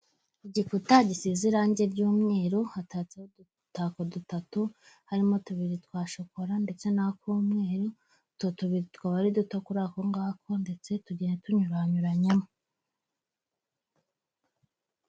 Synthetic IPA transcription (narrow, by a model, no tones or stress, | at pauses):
iɟikutaɟisiziɾaːɲɟe̞ɾɟuːmŋe̞ːɾohataːt͡seho | takodutatu | haɾimo̞tuβiɾitkwaːʃokoɾande̞t͡se̞nakuːmŋe̞ːɾo | totuβiɾitwaβaɾidutokuɾako̞ŋɡaːkʰo̞nde̞t͡se̞tuɟeːnetuɲuɾaːɲuɾaɲemo